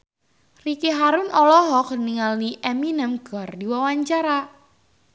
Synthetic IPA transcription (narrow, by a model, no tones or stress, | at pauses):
rikiɦaɾʊnɔlɔɦɔk̚niŋalniʔɛminɛmɡ̥ɔrdiwawaɲt͡ʃaɾa